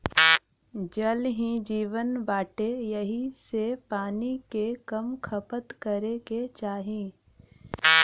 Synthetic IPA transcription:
d͡ʒəlɦĩd͡ʒiːʋənbaːʈejɐɦisepaːnikekɐmkʰɐpət̪kəɾeket͡ʃaːɦẽː

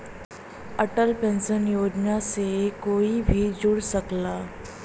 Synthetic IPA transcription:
əʈəlpẽnsənjoːd͡ʒnasekoːibʱid͡ʒʊɽsəklaː

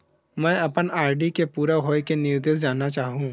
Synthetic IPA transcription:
mɛ̃ːɐpənaːɪɖikepuːɾaɦoːjikenɪɾd̪eːs̬d͡ʒaːnat͡ʃaːɦũː

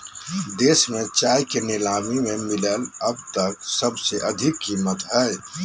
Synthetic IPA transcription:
d̪eːsmẽt͡ʃaːjkenɪlaːmimẽmɪleləbt̪ək̚səbseʔəd̪ʱɪkːimːət̪ɦɛe

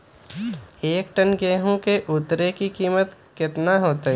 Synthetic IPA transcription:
eːk̚ʈənɡeːɦõkeʔʊt̪ɾekikiːmət̪kɪt̪naɦoːt̪e

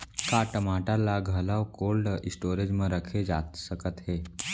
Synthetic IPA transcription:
kaʈəmaːʈalaɡʱəlawkoːlɖɪsʈoːɾed͡ʒmẽɾəkʰed͡ʒasəkət̪ɦeː

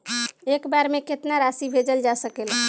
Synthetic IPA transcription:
ekbaɾmeket̪naɾasibʱed͡ʒəld͡ʒasəkel

